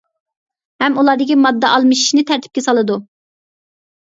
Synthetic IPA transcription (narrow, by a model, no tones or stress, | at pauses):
hɛmulˠɑːd̪ɪkʲimɑd̪ːɛʔɑlˠmɨʃi̥ʃnɪt̪ʰæɾt̪ʰɪ̥p̚kʲɛsɑlˠɨd̪u